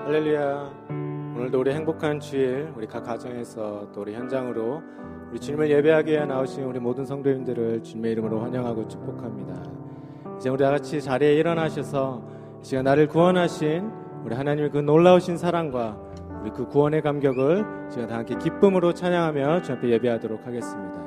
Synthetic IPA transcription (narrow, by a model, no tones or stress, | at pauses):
halːe̞lːuja | onɯɭdouɾiɦe̞ŋbokʰant͡ɕʰiiɭuɾikak͈wad͡ʑʌŋe̞sʰʌt͈ouɾiçjʌnd͡ʑaŋɯɾo | uɾit͡ɕuɲimɯɭje̞be̞ɦaɡiejanaoɕʰinuɾimodɯnsʰʌŋdoindɯɾɯɭt͡ɕuɲime̞iɾɯmɯɾoɸwaɲʌŋɦaɡot͡ɕʰu̥k̚p͈okʰamɲida̰ | id͡ʑe̞uɾiaɡat͡ɕʰit͡ɕaɾieiɾʌnɦaɕʰʌsʰʌ | t͡ɕiɡanaɾɯɭkuwʌnɦaɕʰin | uɾiɦanaɲimikɯnoɭːaoɕʰinsʰaɾaŋɡwa | uɾikɯkuwʌne̞kamɡjʌɡɯɭ | t͡ɕiɡataaŋkʰekip͈ɯmɯɾot͡ɕʰaɲaŋɦamjʌt͡ɕiampʰe̞je̞biɦadoɾokʰaɡe̞s͈ɯmɲida